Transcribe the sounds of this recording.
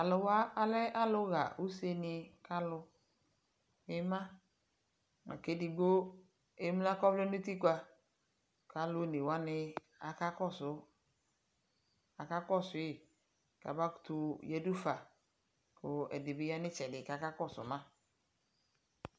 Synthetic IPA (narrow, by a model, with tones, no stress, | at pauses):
a˨lʊ˨wa˦a˨lɛ˦ʔa˦lʊ˦ɣa̰˨ʔu˦se˦nɪ˨ka˦lʊ˦ | ɪ˦mã˦ | na̰˨ke˦dɪ˨ɡo˦ | e˦m˦la˦kɔ˦vle˦nu˦t̪i˦kʷa˦ | kʰa˨lʊ˦ne˨wa˦nɪ˦ | a˨ka˦kɔ˦sʊ˦ | a˨ka˦kɔ˦sʊ˨˦ɪ˨ | ka̰˨ba˦ku̥˨˦t̪ʊ˨je˨du˦fa˨ | kʊ˨ɛ̰˨dɪ˨bɪ˨˦ja˦nɪ̃˦t͡ʃɛ˨dɪ˨ka˨ka˦kɔ˦˨sʊ̰˨mã˦